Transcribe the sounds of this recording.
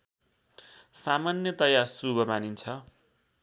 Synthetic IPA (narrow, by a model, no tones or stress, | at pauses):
samanjʌt̪ʌjarsubʱʌmanint͡sʰʌ